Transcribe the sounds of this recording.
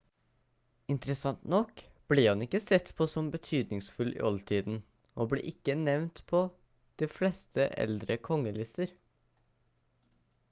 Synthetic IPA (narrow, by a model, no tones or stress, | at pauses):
ɪnt̪əɾəsɑnt̪nɔk | b̥lihɑnɪkːəsɛt̪pʰɔsɔmbət̪ʰyːd̪nɪŋsfʉlʔɪ̰ʔɔlt̪ʰiːd̪n̩ | ʔoːblḛːʔɪkːənɛʋnt̪pʰɔ | d̪̥iːflɛːst̪ʰəʔɛ̰ld̪ɾəkʰɔŋːəlɪst̪əɾ